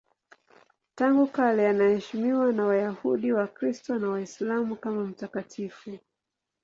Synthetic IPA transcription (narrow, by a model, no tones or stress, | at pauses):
taŋɡukalɛanahɛʃimiwanawajahuɗiwakɾistɔnawaislamukamam̩takatʰifu